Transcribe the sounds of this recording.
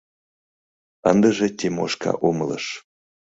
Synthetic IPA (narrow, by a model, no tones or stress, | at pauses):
ənd̪əʒet̪ʲemoʃkʰɑ̰ʔumələ̰ʃ